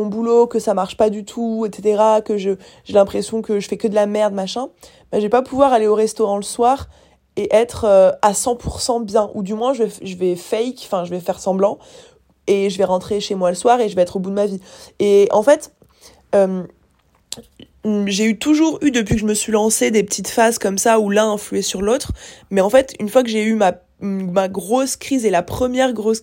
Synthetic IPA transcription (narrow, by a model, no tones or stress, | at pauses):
mɔ̃bulokəsamaʁʃpad̪yt̪ʰuɛt̪set̪eʁakəʒə | ʒelɛ̃pχesjɔ̃kəʒəfɛkəd̪əlamɛʁd̪maʃɛ̃ | baʒəvɛpapuvwaʁaleoʁɛst̪oʁɑ̃ləswaːʁ | eʔɛt̪χøasɑ̃pʰuʁsɑ̃bjɛ̃ʔud̪ymwɛ̃ʒəvɛʒəvɛfɛjkfɛ̃ʒəvɛfɛʁsɑ̃blɑ̃ | eʒəvɛʁɑ̃t̪χeʃemwaləswaʁeʒəvɛɛt̪χobud̪əmavieɑ̃fɛt̪ | øm | ʒeyt̪uʒuʁyd̪əp̬ɥikəʒəməsɥilɑ̃sed̪epət̪ʰit̪fazkɔmsaulɛ̃ɛ̃flyesyʁlot̪χmɛɑ̃fɛt̪ynfwak̬əʒeyma | maɡʁoskχizelapχəmjɛʁɡʁos